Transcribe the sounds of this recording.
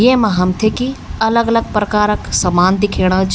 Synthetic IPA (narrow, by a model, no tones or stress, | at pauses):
jemɐɦɐmt̪ʰekiɐləɡɐləɡ̚pɾɐkaːɾəksɐmaːnd̪ɪkʰeːɽ̃ət͡ʃʰ